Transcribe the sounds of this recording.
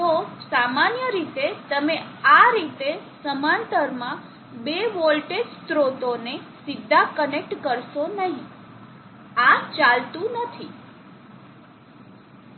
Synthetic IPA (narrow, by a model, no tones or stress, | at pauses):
t̪osamanjəɾit̪et̪əmeaɾit̪esəmãnt̪əɾmã | beʋɔlʈed͡ʒst̪ɾot̪one | sɪd̪ʱːakənek̚ʈkəɾʃonəɦĩ | at͡ʃalt̪ũnət̪ʰi